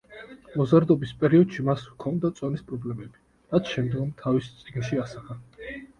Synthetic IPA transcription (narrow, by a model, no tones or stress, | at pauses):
mɔzaɾd̪ɔbispʼɛɾiɔd̪̥ʃimaswkʰɔnd̪at̪sʼɔnispʼɾɔblɛmɛbi | ɾat̪sʰʃɛmd̪ɡɔmt̪ʰavist̪sʼiɡnʃiasaχa